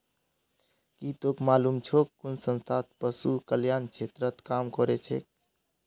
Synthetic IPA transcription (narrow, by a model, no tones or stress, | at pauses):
kit̪okmalumt͡ʃʰokːunsə̃nst̪ʰat̪̚pəsukəljant͡ʃʰet̪ɾət̪kamkɔɾet͡ʃʰek̚